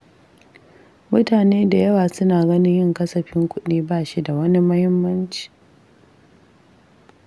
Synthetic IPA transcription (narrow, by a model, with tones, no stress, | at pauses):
mʊ˦taː˨neː˦da˨jɐ˦waː˨sʊ˦naː˨ɡɐ˦nɪ˦ɲjɪ˦˨ŋkɐ˦sɐ˨ɸɪ˦ŋkʷʊ˦ɗiː˦baː˦˨ʃi˦da˨wɐ˦ni˦mɐ˦hɪ˦mːɐ˦nt͡ʃi̥ː˨